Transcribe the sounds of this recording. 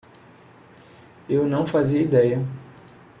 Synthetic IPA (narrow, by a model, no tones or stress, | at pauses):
ewnɐ̃w̃faziɐid̪ɛjɐ